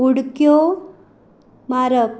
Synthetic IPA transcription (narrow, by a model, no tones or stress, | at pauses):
uɽkjo | maɾəp